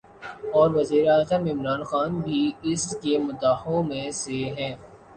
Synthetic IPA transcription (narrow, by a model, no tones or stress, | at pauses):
ɔːɾʋɐziːɾeaːzəmɪmɾaːnxaːnbʱiɪskemʊd̪aːhõmẽseɦɛ̃ː